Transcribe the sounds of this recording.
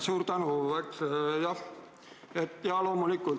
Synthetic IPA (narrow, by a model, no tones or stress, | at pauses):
suːrt̪ɑnuʋɑiksjɑ | et̪jɑlomonikːu